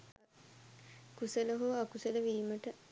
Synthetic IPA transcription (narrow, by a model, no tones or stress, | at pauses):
kusələɦoːakusələʋiːməʈə